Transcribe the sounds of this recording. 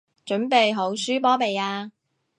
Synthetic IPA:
t͡ʃɵ˨˥npe˨jɦo˨˥wsyː˥pɔː˥pe˨jaː˧

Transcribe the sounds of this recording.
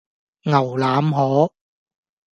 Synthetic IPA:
ŋɐ˨˩wlaː˨˥mɦɔː˨˥

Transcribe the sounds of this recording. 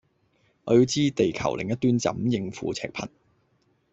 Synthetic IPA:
ŋɔː˨˧ji˧wt͡siː˥t̪e˨jkʰɐ̰˨˩wlɪ˨ŋjɐ˥t̪ːyː˥nt͡sɐ̰˨˥mjɪ˨˧ŋfṵː˨˧t͡sʰɛ̰ː˧k̚pʰɐ̰˨˩n

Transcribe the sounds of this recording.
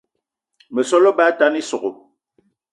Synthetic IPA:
mə˨sɔ˦lɔ˦ba˦ta˦ni˦so˨ɣo˨

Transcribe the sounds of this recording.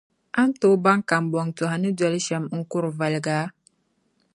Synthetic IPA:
a˦n˦to˦ba˦ŋ˦ka˨m˨bɔ˨ŋtu˨ha˨ni˦dwa˦lʃɛ˨mŋ̩˦ku˦ɾva˨lɡa˨˦

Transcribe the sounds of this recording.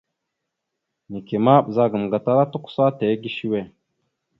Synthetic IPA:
ni˨ke˨ma˦ɓza˦ɡə˨m˨ɡa˨ta˦ɾa˦tu˦kʷu̥˦sa˦te˨˦ɡi˦ʃi˦we˦˨

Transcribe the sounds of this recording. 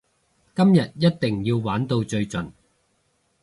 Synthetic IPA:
kɐ˥mjɐ˨t̚jɐ˥t̚t̪ɪ˨˩ŋjiː˧wwaː˨˥nt̪o˧wt͡sɵ˧ɥt͡sɵ˨n

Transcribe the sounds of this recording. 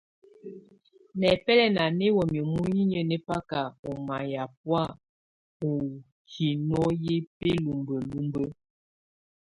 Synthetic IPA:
nɛ˨pɛ˦lɛ˦na˨ne˦wɔ˨mjə˨mu˦ji˦ɲə˦ne˦pa˦ka˨o˨ma˨ja˨p̚wa˦˨ | o˨ | kʰi˨nɔ˦je˦pe˦lu˨mbə˨lu˦mbə˦

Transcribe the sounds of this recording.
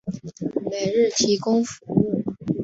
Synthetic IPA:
me˨˩ɪɻɻ̩˥˩t̪ʰi˧˥kʊ˥ŋfu˧˥u˥˩

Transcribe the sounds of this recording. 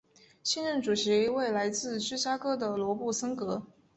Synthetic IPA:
ɕɛ˥˧nɻə˥˩ŋʈ͡ʂu˨˩ɕi˧˥we˥˩ɪla˧˥ɪt͡sɹ̩˥˧t͡ɕʰy˥ɕja˥kɤ˥d̪ə˨lwɔ˧˥pu˥˩sɤ˥ŋkɤ˧˥

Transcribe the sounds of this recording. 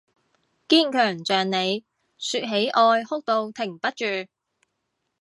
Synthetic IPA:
kiː˥˩nkʰœː˨˩ŋt͡ʃœː˨ŋne˨˧j | syː˧t̚ɦe˨˥jʔɔː˧jhʊ˥k̚t̪o˧wt̪ʰɪ˨˩ŋpɐ˥t̚t͡ʃyː˨

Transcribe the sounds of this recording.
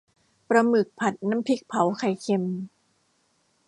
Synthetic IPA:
pɾa˧mɯ˨˩k̚pʰa˨˩t̪̚na˧˥mpʰi˦˥˩k̚pʰa˨˦wkʰa˨˩jkʰe˧m

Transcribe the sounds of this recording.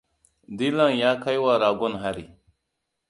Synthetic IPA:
di˦la˦ŋja˦ka˦jwa˦ɾa˨ɡo˦nɦa˦ɾḭ˨

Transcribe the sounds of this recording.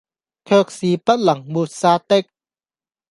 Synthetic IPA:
kʰəː˧˩k̚si˨˦pa˦˥t̪̚la˨˩˦ŋmu˧t̪̚saː˧t̪e˥˨k̚

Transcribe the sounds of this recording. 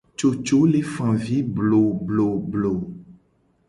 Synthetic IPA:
t͡ʃo˨t͡ʃo˨˦le˦fã˨vi˨˦blo˨blo˨blo˨

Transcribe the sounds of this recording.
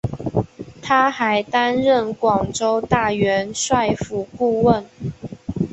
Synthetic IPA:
t̪ʰa˥xa˨˧˦ɪt̪a˥nɻə˥˩nkwɑ˨˩ŋʈ͡ʂo˥ʊt̪a˥˩ɥɛ˧˥nswa˥˧ɪfu˨˩ku˥˧wə˥˨n

